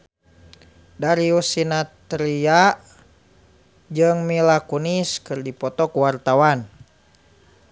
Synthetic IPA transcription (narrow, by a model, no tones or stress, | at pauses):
daɾiusinat̪ɾia | d͡ʒɨŋmilakuniskɨrdipɔt̪ɔkuwart̪awan